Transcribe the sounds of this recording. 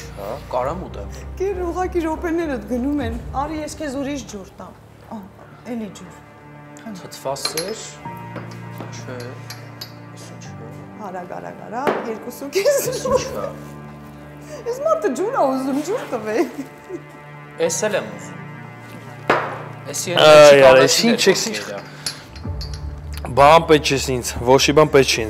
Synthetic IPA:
ɑ̰kɑɾɑmut̪ɛkɛɾuʁɑkiɾɔpɛnɛɾət̪ɡənumɛnɑɾjɛskʰɛzuɾiʃd͡ʒuɾt̪ɑm | ɛlid͡ʒuɾ | t̪ʰət̪ʰvɑsɛɾ | t͡ʃʰɛ | t͡ʃʰ | hɑɾɑɡɑ̰ɾɑ̰ɡɑ̰ɾɑjɛɾkusukʰɛz | ismɑt̪əd͡ʒuɾɑuzumd͡ʒuɾt̪əvɛ | ɛsɛlɛmuzum | ɛsiɛajɑɾɛsint͡ʃʰɛksi | bɑnpɛt̪̚t͡ʃʰɛsint͡sʰvɔt͡ʃʰibɑnpɛt̪t͡ʃʰin

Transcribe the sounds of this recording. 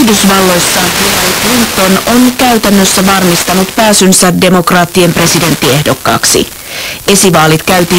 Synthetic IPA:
hdysʋɑlːo̞jsːɑhilɑɾiklint̪ːo̞no̞nkæyt̪ænːøsːæʋɑrmist̪ɑnut̪pæːsynsæde̞mo̞krɑːt̪ːie̞mpre̞side̞nt̪ːie̞hdo̞kːɑ̰ːksḭ | e̞siʋɑːlit̪kæyt̪i

